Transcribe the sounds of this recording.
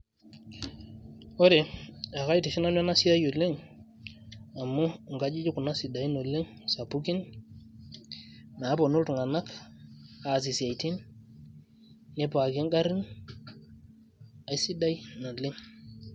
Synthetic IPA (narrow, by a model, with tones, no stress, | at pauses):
o˦ɾe˨a˨ka˦jti˨ʃi˦na˦n˦a˦na˦si˦a˦jo˨le˦ŋ | a˨mːo˦ŋɡa˦d͡ʒi˦d͡ʒi˦ku˨na˦si˨da˨jno˨le˦ŋ | sa˨pu˦ki˦n | na˨˦po˨nu˦ltu˨ŋa˨na˦k | a˨s̬i˨sa˨jti˦n | e˨˦pa˨ɡe˦ŋɡa˦ɾi˦n | a˨jsi˦da˦jna˨le˦ŋ